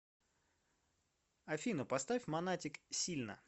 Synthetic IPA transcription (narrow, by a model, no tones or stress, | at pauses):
ɐfʲinʊpɐst̪amɐnatʲɪksʲilʲnə̰